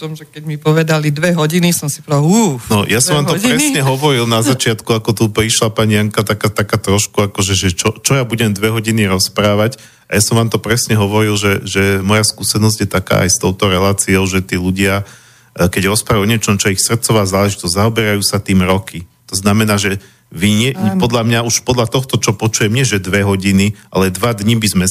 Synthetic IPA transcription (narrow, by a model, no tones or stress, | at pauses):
ɔmʒɛkɛɟmipɔʋɛd̪alid̪ʋɛɦɔɟinisɔmsipɔɛd̪alunɔjasɔmʋaːmt̪ɔɾɛsɲɛɦɔʋɔɾilˠnazat͡ʃɪat̪kuakɔt̪upɾiʃlapaɲijaŋkat̪akaːt̪akaːt̪ɾɔʃkuakɔʒɛʒɛt͡ʃɔt͡ʃɔjabuɟɛmd̪ʋɛɦɔɟiniɾɔspɾaːʋac | ajasɔmʋaːmt̪ɔpɾɛsɲɛɦɔʋɔɾilʒɛʒɛmɔjaskuːsɛnɔzɟjɛt̪aka̰ːʔa̰jst̪ɔʊt̪ɔɾɛlaːt͡siɔʊʒɛt̪iːluɟɪa | kɛɟɾɔspɾajuɔɲɪɛt͡ʃɔmt͡ʃɔɛixsr̩t̪t͡sɔʋaːzaːlɛʒit̪ɔzɟzaɔbɛɾajuːsat̪iːmɾɔkʰi | t̪ɔznamɛnaːʒɛ | ʋiɲɛpɔd̪ʎamɲauʃpɔd̪ʎat̪ɔxt̪ɔt͡ʃɔpɔt͡ʃujɛmɲɪɛʒɛd̪ʋɛɦɔɟiniʔalɛd̪ʋad̪ɲibizmɛ